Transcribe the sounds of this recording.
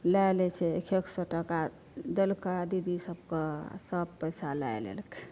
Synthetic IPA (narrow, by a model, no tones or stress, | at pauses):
lajlɛt͡ʃʰɛekʰeksɔʈəka | d̪elkəd̪id̪isəb̚kəsəb̚pəjsala̰ḛlḛlke̥